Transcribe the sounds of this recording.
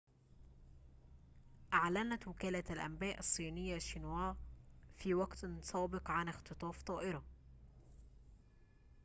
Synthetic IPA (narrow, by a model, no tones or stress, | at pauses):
ʔaʕlanæt̪wɪkæːlaalʔæ̰mbæːʔɑsˤːiːnɪjːaʃinwaːfiːwaɡt̪sˤɑːbɪqʕanɪxt̪ɨt̪ˤɑːft̪ˤɑːʔɪɾɑ